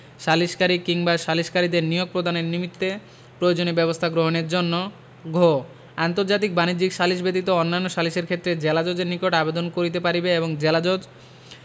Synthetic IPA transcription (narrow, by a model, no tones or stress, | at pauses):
ʃaliʃkaɾikiŋbaʃaliʃkaɾid̪eɾnijoɡ̚pɾod̪ʱaneɾnimit̪ːe | pɾood͡ʑonebɛbost̪ʰaɡɾoɦoneɾd͡ʑonːo | ɡʱo | ant̪oɾd͡ʑat̪̬ik̚banid͡ʑikʃaliʃbet̪it̪oonːanːoʃaliʃeɾkʰet̪ːɾed͡ʑelad͡ʑod͡ʑeɾnikoʈabed̪onkoɾit̪epaɾibeeboŋd͡ʑelad͡ʑod͡ʑ